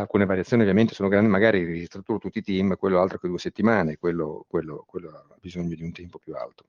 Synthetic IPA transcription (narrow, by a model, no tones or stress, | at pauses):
alkuːneovaɾjat̪sjoːniovjament̪esoːnoɡɾandimaɡaːɾired͡ʒist̪ɾat̪uːɾot̪ut̪ːiːt̪imkwelːoalt̪ɾoked̪ueset̪ːimaːnekwelːo̰kwelːo̰kwelːoa | bizoɲːod̪iunt̪ɛmpopjua̰lt̪o̥